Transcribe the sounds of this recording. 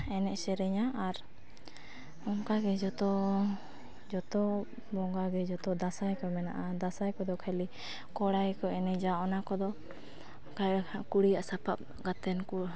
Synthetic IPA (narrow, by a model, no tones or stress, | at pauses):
ɛnɛʔsɛɾɛɲaʔaɾ | ɔŋkaɡɛd͡ʒɔt̪ɔ | d͡ʒɔt̪ɔ | bɔŋɡaɡɛd͡ʒɔt̪ɔd̪asajkɔmɛna̰ʔad̪asajkɔd̪ɔkʰali | kɔɽajkɔɛnɛd͡ʒaɔnakɔd̪ɔ | kakuɽijaʔsapap̚ | ɡat̪ɛnku